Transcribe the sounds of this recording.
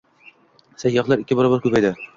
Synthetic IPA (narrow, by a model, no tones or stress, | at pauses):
sæjːɒqlˠaɾɪkʲːɪbɒɾɒbaɾkʉpæjd̪ɪ